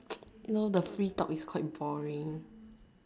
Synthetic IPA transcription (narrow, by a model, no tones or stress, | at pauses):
junodəfɹiːtɔ̰kiskʰɔɪt̚bɔɹĩŋ